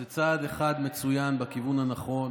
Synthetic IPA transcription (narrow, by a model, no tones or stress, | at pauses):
et͡sad̪eχad̪me̞t͡sujanbakivunhanaχo̞n